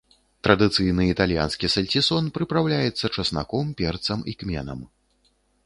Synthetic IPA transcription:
t̪ɾɐd̪ɨt̪sɨjnɨit̪alʲja̰nskʲisɐlʲtʲisɔnpɾɨpɾawlʲajɛt̪sːɐt͡ʂɐsna̰kɔmpʲɛrt̪sɐmikmʲɛ̰nɐ̰m

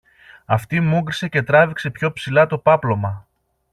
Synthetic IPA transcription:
ɐft̪imuɡɾise̞ce̞t̪ɾɐvikse̞pço̞psilɐt̪o̞pɐplo̞mɐ

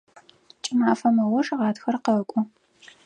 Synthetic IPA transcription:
t͡ʃʼɪmaːfɐmɐʁʷɔʂʁɑːtxɐrqɐkʷʼʊ

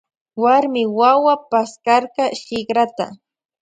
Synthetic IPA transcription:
waɾmɪwawapaskɑɾqɑʃɪkɾat̪a̰

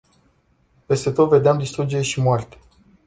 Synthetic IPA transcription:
pe̞st̪et̪ot̪ve̞d̪eamd̪ist̪ɾud͡ʒeeʃimoart̪e̥

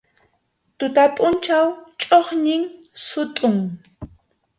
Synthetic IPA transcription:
t̪ʊt̪apʼʊnt͡ʃawt͡ʃʼoχɲɪŋ | sʊt̪ʼʊŋ

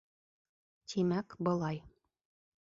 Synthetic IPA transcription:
t̪ʰimækbɤ̆lˠɑj

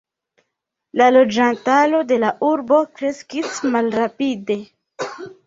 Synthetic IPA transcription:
lalod͡ʒantalo̞de̞laʔuɾbo̞kɾe̞skismalɾapide̞

